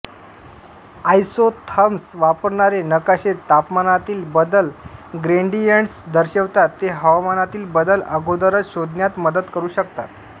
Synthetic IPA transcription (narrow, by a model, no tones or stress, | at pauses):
ajsot̪ʰəmsʋapəɾɳaɾenəkaɕet̪ːapmanat̪iːlbəd̪əlɡɾeɳɖijəɳɖsd̪əɾɕeʋt̪at̪ːeɦəʋamanat̪iːlbəd̪ələ̰ɡod̪əɾət͡sɕod̪ʱnjat̪məd̪əd̪kəɾuːɕəkt̪at̪